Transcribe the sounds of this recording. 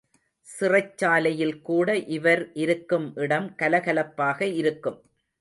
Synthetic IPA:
sɪrɐt͡ʃːaːlɐjɪlkuːɽɐʔɪʋɐɾʔɪɾɯkːɯmʔɪɽɐmkɐlɐɣɐlɐpːaːɣɐɪɾɯkːɯm

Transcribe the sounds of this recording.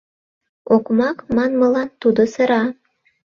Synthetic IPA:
okmɑkmɑnmɤ̆lɑnt̪ud̪osə̆ɾɑ

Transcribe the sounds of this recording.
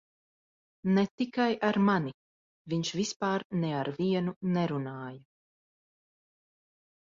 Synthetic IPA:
nɛt̪ikajʔaɾmani | viɲʃvispaːɾnɛaɾviɛnunɛɾunaːja

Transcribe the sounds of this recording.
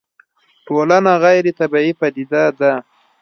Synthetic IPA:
ʈolanaɣajɾet̪abaipad̪id̪ad̪a

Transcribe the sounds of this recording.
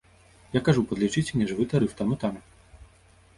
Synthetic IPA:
jakaʐupɐd̪lʲit͡ʂɨt͡sʲnʲiʐvɨt̪aɾɨft̪amut̪anu

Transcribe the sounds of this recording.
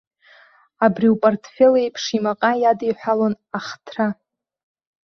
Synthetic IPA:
abriwpʼortʰfelejpʰʂimaqʼajadijħʷᶣalon | aχtʰra

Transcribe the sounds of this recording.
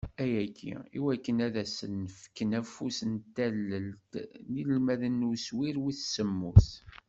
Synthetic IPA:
æjækʰːḭiwækːənæðæsənːəfkːənæfusənt̪ːælːəlt̪nilmæðənːuswiɾwiθsəmːus

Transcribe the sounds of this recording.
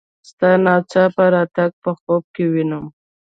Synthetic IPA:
st̪ɑnɑt͡ʃɑpəɾɑt̪aɡ̚pəxob̚kewinəm

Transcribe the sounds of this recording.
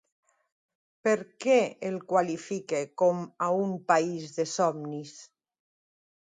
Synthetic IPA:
peɾkɛelkwalifikekɔmaumpaizðesɔmnis

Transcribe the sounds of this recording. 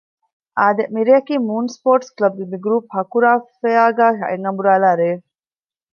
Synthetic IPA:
ʔaːd̪emiɾeɐkiːmuːnspoːɾʈsklɐb̚d̪ebiɡɾuːphɐkuɾaːffeaːɡaːɦɐ̰ʔeŋɐmbuɾaːlaːɾeː

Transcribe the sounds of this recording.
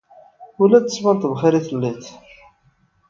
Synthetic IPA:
ʊlæθəsmænt̪əvχiɾiθəlːiθ

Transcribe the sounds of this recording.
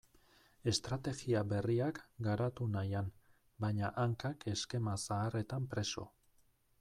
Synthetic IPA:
e̞st̪ɾat̪e̞ɣiaβe̞riakɡaɾat̪unajan | bajɲaʔaŋkakʰe̞ske̞masaːre̞t̪ampɾe̞so̞̰

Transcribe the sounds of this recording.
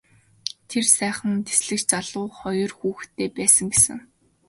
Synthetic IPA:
t̪ʰersæːχə̆nt̪ʰe̥sɮɘ̆kt͡ɕt͡saɮʊːχɔjɞ̆rxuːxt̪ʰːeːpæːsə̆ŋɡesɘ̆ŋ

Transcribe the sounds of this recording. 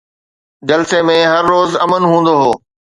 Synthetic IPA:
d͡ʑɐlsemẽɦɐɾːoːzɐmənɦũːn̆d̪oɦoː

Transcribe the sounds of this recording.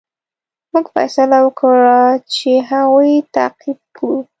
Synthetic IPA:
muɡfa̰jsalawəkɽat͡ʃeɦaɣujt̪a̰qib̚ku

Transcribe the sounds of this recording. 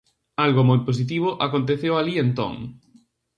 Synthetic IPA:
alɣʊmojpos̬it̪̬iβ̞ʊʔakont̪̬eθewalient̪o̰ŋ

